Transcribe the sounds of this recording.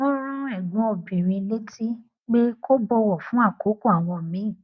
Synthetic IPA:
õ˦ɾ̃ũ˦ɛ˨ɡũ˨˦o˧bĩ˨ɾ̃ĩ˧le˦ti˦ | k͡pe˦ko˦bɔ˧wɔ˨fũ˨˦a˦˨ko˨˦ko˦a˨w̃ɔ̃˧˨mĩ˨˦˨

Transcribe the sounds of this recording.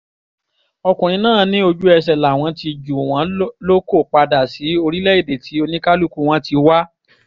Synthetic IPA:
ɔ˧kũ˨ĩ˨˧˦nãː˦˨nĩ˦o˧d͡ʒu˦ɛ˧s̬ɛ˨la˨w̃ɔ̃˨˧˦ti˧d͡ʒu˨w̃ɔ̃˨˧˦lo˦ko˦˨k͡pa˧da˨si˨˦o˧ɾi˦lɛ˦i˦˨de˨ti˨˦o˧nĩ˦ka˦lu˦ku˧w̃ɔ̃˦ti˧wa˦

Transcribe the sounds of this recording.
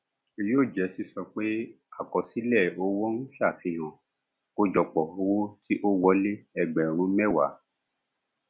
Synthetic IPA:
i˧joː˦˨d͡ʒɛ˨˦si˧˦sɔ˧k͡pe˦ | a˨kɔ˨si˨˦lɛ˦˨o˧wo˦ñ̩˦fi˦a˦˨fĩ˧ɦõ˨ | o˧d͡ʒɔ˨k͡pɔ˨o˧˦wo˦ti˦ʔo˦wɔ˧˦le˦ɛ˧ɡ͡bɛ˨ɾ̃ũ˨˦mɛ˦˨wa̰˨˦

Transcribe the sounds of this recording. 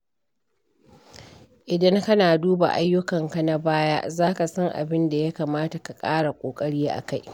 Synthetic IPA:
ʔɪ˨dɐ˦ŋkɐ˦naː˨duː˦ba̰˨ʔa˦jːʊ˦kɐ˨ŋka˨na˦baː˦ja̰˦ʔzaː˦ka˨sɐ˦ŋʔa̰˨bɪ˦nda˨ja˦kaː˨maː˦ta˨ka˨kʼaː˦ɽa˨kʷʼoː˨kʼɐ˦ɽiː˦ʔa̰˨ka˦j

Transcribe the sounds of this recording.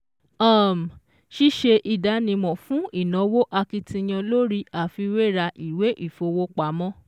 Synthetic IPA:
a˦˨m˨ | ʃi˦ʃe˧ʔi˨da˨˧˦nĩ˧mɔ̃˨fũ˨˦i˦˨nɔ̃˨˦wo˦ʔa˧ki˧tĩ˧j̃ã˧lo˦ɾi˦a˨fi˧we˦˨ɾa˧ʔi˨we˨˦ʔi˦˨fo˧wo˦k͡pa˨˦mɔ̃˦

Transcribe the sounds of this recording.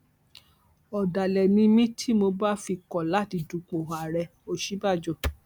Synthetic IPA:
ɔ˨da˨lɛ˨nĩ˧mĩ˦tʰi˦mo˧ba˦fi˧kɔ˨la˦˨ti˧du˨k͡po˨a˨ɾɛ˧˨o˧ʃi˦ba˦˨d͡ʒɔ˨

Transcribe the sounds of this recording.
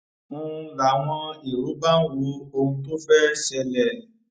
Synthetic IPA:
mũ˦ɾa˨˦w̃ɔ̃˧i˨ɾu˨˦ba˦wu˨˦o˧ũ˧to˦fɛ˦ʃɛ˧lɛ˨

